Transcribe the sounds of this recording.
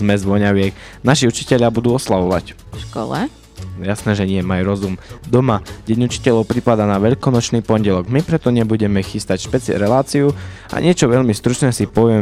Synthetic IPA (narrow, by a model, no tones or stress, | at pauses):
zmɛzʋɔɲaʋɪɛknaʃiut͡ʃi̥cɛʎabud̪uːɔslaʋɔʋa̰c | ʃkɔ̰lɛ̰ | jasnɛːʒɛɲɪɛmajuɾɔzumd̪ɔmaɟɛɲut͡ʃi̥cɛʎɔʊpɾipad̪aːnaʋɛʎkɔnɔt͡ʃniːpɔɲɟɛlɔɡmipɾɛt̪ɔɲɛbuɟɛmɛxist̪acʃpɛt͡sɾɛlaːt͡siua̰ɲɪɛt͡ʃɔʋɛʎmist̪ɾut͡ʃnɛːsipɔʋɪɛ